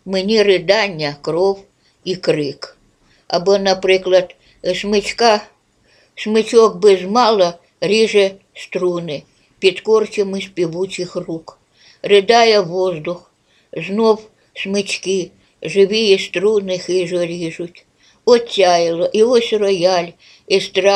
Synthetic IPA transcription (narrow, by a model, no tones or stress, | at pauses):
mɪnʲirɪd̪anʲːɐkrɔw | ikɾɪk | ɐbonɐpɾɪklˠɐt̪ | smɪt͡ʃʲka | smɪt͡ʃɔk̚bɪzmɑlˠɐ | ɾʲiʒɛ | st̪ɾunɪ | pʲit̪kɔrt͡ʃɪmɪsʲpʲiʋut͡ʃʲɪxruk | rɪd̪ɑjɛʋɔzd̪ʊx | znɔw | smɪt͡ʃʲkɪ | ʒɪʋijɛst̪ɾunɪxɪʒɔɾʲiʒʊtʲ | ɔt̪ʲːajɪlˠɔʔiɔsʲrɔjalʲ | ɪst̪ɾɑ